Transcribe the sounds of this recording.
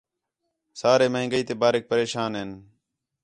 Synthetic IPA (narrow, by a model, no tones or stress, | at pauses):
saːɾeːməɦɪ̃ŋɡəiːt̪eːbaːɾɪk̚pəɾeːʃaːnɦɪn